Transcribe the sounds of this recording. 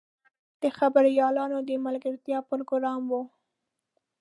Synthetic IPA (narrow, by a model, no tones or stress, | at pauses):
d̪̥əxabaɾijɑlɑnod̪əmalɡaɾt̪jɑpɾoɡoɾɑmwu